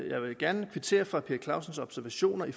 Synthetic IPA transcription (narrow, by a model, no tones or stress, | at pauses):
jɑ̈ɪʋe̝ɡ̥æɐnəkʰʋit͡sʰe̝̰ːɐfʁɑ̈pʰeːɐkʰlɑ̈ʊ̰sənsɒ̽b̥sæɐʋæɕo̝̰ːnɐi